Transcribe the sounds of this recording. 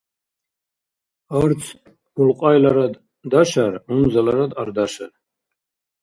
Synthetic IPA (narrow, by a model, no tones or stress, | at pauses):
aɾt͡sʰ | bulqʼajlaɾad̪ | d̪aʃaɾunzalaɾad̪aɾd̪aʃa̰r